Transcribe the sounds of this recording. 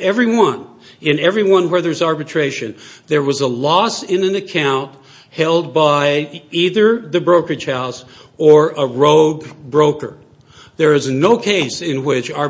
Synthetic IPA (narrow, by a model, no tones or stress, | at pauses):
ɛvɹiwʌ̃n | ɪ̃nɛvɹiwʌ̃nwə˞ðə˞zɑɹbɨtʰɹ̥eɪʃɨ̃nðə˞wʌzəlɔsɪ̃nɨ̃nɨkʰãʊ̃nt | hɛlˠd̚baɪiðə˞ðɨbɹoʊkɨd͡ʒ̥haʊs | ə˞ʔəɹoʊɡbɹoʊkə̰˞ | ðə˞ɨznoʊkʰeɪsɪ̃nwɪt͡ʃɑ